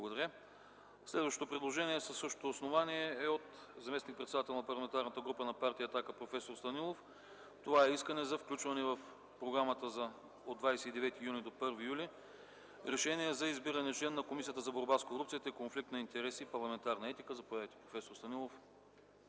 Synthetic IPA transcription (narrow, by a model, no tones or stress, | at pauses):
bˠɐɡod̪ɐɾʲja | slɛd̪vɐʃot̪opɾɛd̪lˠoʒɛniɛsɐsːɤʃt̪o̥t̪oːsnovaniɛːot̪ | zɐmɛsnik̚pɾɛt̪sɛd̪at̪ɛlˠnɐpɐɾlˠɐmɛnt̪aɾnət̪əɡɾupənɐpaɾt̪ijəɐːt̪akəpɾofɛsoɾst̪ɐnilˠof | t̪ovaɛiskənɛzɐfklʲut͡ʃvɐnɛvɐf | pɾoɡɾamət̪əzɐ | od̪vajsɛid̪ɛvɛt̪ijunʲid̪opɤɾvijuli | ɾɛʃɛnʲiɛzɐizbiɾɐnɛt͡ʃlɛnːɐkomisijət̪əzɐboɾbaskoɾup̚t̪iət̪əikonflik̚t̪nɐint̪ɛɾɛsipɐɾlˠɐmɛnt̪aɾnəɛt̪ikəzɐpojavit̪i̥pɾofɛsoɾst̪ɐnilˠof